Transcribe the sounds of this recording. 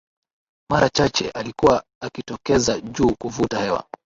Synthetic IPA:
maɾat͡ʃat͡ʃɛ̰ʔalikuwaː | kitɔkɛzaʄuːkuvutahɛwa̰

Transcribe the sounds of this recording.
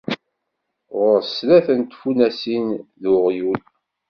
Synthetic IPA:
ʁʊɾslæθənt̪funæsinðʊʁjul

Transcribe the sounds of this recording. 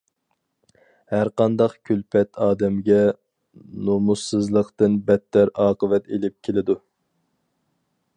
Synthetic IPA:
hæɾqɑnd̪ɑqkʲʰylpʰɛt̪ʰɑːd̪ɛmɡʲɛ | nomusɨzlˠəqt̪ɨnbɛt̪ːæɾɑːqəvɛt̪elɪp̚kʲʰelɪd̪u

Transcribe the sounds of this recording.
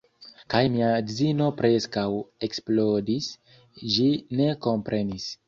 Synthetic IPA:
kajmiaɡzino̞pɾe̞skawe̞ksplodis | ʒine̞ko̞mpɾe̞nis

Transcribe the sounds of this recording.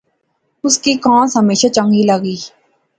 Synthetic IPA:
ʊskikãːsɦəmeːʃat͡ʃə̃ŋɡiləɡiː

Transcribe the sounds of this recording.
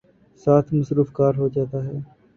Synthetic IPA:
saːt̪ʰməsɾuːfkaːɾɦoːd͡ʒaːt̪aːɦɛː

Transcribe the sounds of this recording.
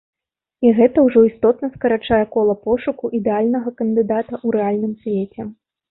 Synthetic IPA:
iɣɛt̪ɐwʐɔist̪ɔt̪nɐskɐɾat͡ʂajɛkɔlˠɐpɔʂukuʔid̪ɛalʲnɐɣɐkɐnd̪ɨd̪at̪ɐʔuɾɛalʲnɨmsʲvʲet͡sʲɛ

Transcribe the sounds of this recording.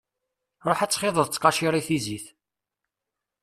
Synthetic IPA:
ɾˤoħæt͡sːχɪðˤəðˤt͡sːqɑʃiɾˤiθiziθ

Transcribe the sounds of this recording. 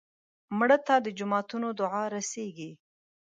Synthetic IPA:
mɽət̪ad̪əd͡ʒʊmɑt̪unod̪ʊʕɑɾaseɡi

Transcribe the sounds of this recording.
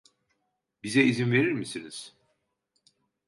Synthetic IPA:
bizɛizinve̞ɾiɾmisiniz̥

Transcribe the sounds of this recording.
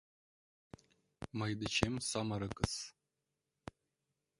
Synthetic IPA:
mɐjd̪ɨt͡ʃʰemsamɐɾɨkʼɨs

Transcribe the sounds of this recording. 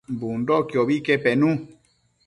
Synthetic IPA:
mbun̩dɔkjɔbikɛpɛnũ

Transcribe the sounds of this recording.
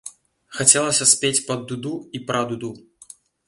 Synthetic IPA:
xat͡sʲɛlˠɐsʲɐsʲpʲet͡sʲpɐd̪ːud̪uipɾad̪ud̪u

